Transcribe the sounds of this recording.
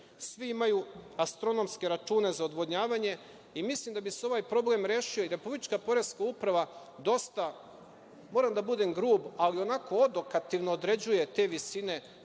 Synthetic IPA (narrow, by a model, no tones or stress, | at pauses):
sʋiimajuast̪ɾo̞no̞mske̞ɾat͡ʃuːne̞zaod̪ʋod̪ɲaːʋaɲe̞ | imislimd̪abiseo̞ʋajpɾo̞ble̞mɾeːʃio̞iɾe̞publit͡ʃkapo̞ɾe̞zkaupɾaʋa | d̪o̞st̪a | mo̞ːɾamd̪abud̪emɡɾuːbalio̞nako̞od̪o̞kat̪iʋnoːd̪ɾe̞d͡ʑuje̞t̪e̞ːʋisine̞